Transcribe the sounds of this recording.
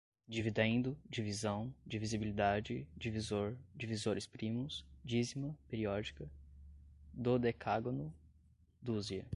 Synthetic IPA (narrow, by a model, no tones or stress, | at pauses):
d͡ʒivid̪ẽnd̪ʊd͡ʒivizɐ̃w̃d͡ʒivizibilid̪ad͡ʒɪd͡ʒivizoɾd͡ʒivizoɾɪspɾĩmʊsd͡ʒizimɐpeɾiɔd͡ʒikɐ | d̪ʊd̪ekʰaɡonʊ | d̪uziɐ̰